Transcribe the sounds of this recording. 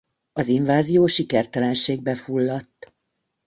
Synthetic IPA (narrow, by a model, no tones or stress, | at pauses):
ɒziɱvaːzijoːʃikɛrt̪ɛlɛnʃeːɡ̚bɛfulːɒt̪ː